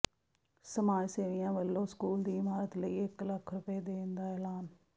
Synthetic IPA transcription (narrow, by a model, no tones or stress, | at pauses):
səmaːd͡ʒseːʋɪjãːʋəlːõːskuːld̪iːɪmaːɾət̪ləiːɪkləkʰɾʊpeːd̪eːnd̪aːɛːlaːn